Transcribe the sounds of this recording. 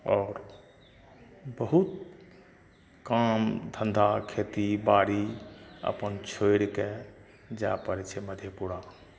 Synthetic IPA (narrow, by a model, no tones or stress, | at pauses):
ɔːɾ | bəɦut̪ | kaːmd̪ʱə̃nd̪ʱakʰet̪ibaːɽiə̰pənt͡ʃʰojɽke | d͡ʒa̰ːpəɾt͡ʃʰeməd̪ʱjepuɽa